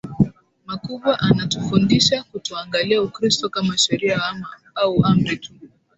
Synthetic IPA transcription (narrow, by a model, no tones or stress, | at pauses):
makuɓwaʔanatufundiʃakutuaŋɡaliaukɾistɔkamaʃɛɾiawama | auam̩ɾɛtu̥